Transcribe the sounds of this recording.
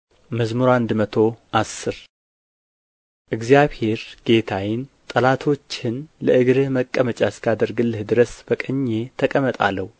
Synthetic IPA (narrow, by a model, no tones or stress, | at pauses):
məzmuɾand̪mət̪ʰo̞ʔasːɨɾ | ʔɨɡzjaβhe̞ɾɡ̥e̞t̪ʰajɪnt̪ʼəlat̪ʰo̞t͡ʃːɪnləʔɨɡɾɨhməkʼːəmət͡ʃʼaskʰad̪əɾɡɨlːɨhd̪ɨɾəsb̥əkʼəɲːe̞t̪ʰəkʼəmət̪ʼa̰lːəhu